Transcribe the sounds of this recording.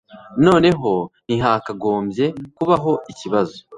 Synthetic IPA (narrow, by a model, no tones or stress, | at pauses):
no̞ːne̞ɦo̞n̥iɦakaɡo̞ːmbje̞kuβaɦo̞ʔiciβazo